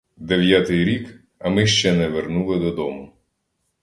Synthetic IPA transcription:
d̪eʋjat̪ɪjɾʲik | ɐmɪʃt͡ʃɛnɛʋernulˠɪd̪ɔd̪ɔmʊ

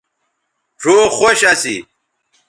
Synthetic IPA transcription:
ʈ͡ʂʰoːxoɕɐsḭ

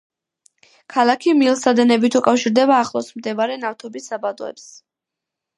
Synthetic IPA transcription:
kʰalˠakʰimilˠsad̪ɛnɛbit̪ʰukʼafʃiɾd̪ɛbaːχlˠɔsmd̪ɛvaɾɛnaft̪ʰɔbisabad̪ɔ̰ɛ̰ps

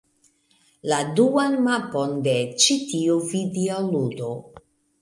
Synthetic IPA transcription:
laduanmapondet͡ʃitiuvidialudo

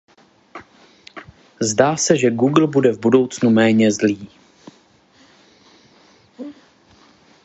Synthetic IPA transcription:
zdaːsɛʒɛɡuɡl̩budɛvbudo̞wt͡snumɛːɲɛzliː

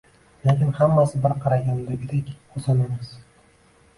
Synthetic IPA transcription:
lekʲɪnhamːasɪbɪɾqʰɑɾaɡʲand̪abɪd̪ekʲozanemaz

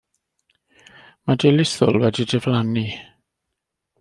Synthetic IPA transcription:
madelɪθʊlˠwɛdidɛvlani

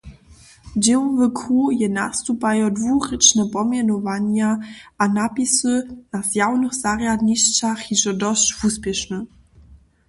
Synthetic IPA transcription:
d͡ʑɛwɔvɘkʰujɛna̰st̪upajɔdvurɘt͡ʂnɛpɔmʲjɛnɔvaɲaʔanapʲisɨnaz̥jawnɨxz̥arjad̪ɲiɕt͡ɕaxiʐɛd̪ɔɕt͡ɕvuspʲjɛʂnɘ

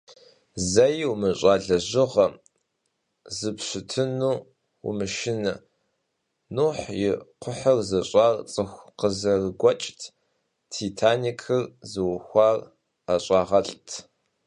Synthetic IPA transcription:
zɐjwmɨɕʼaːɮɐʒɪʁɐ | zɨpɕɪtʰɨnuː | wṵmɨʃɪnɐ | nuħjɪqʷʰʊħɐrzɐɕʼaːrt͡sʼɨxʷqəzɐrɨɡʷɔt͡ʃʼtʰ | tʰiːtʰaːnikʰɨrzɨwʊxʷɑːr | aɕʼɑːʁɐɬʼtʰ

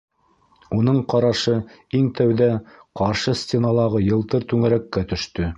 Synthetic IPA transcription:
unɤɴqɑɾɑʃɤ | iŋt̪æwðæqɑɾʃɤsʲtʲenɑlˠɑʁɤjɤ̆lˠt̪ɤɾt̪ʉŋæɾækːæt̪ɵ̆ʃt̪ɵ

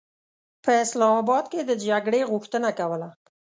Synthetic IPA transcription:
pəɪslɑmɑbɑd̪̚ked̪əd͡ʒaɡɽeɣʊxt̪ənakawəla

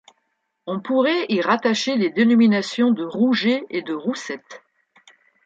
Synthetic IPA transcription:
ɔ̃puʁɛiʁat̪aʃeled̪enɔminasjɔ̃d̪əʁuʒeed̪əʁusɛt̪

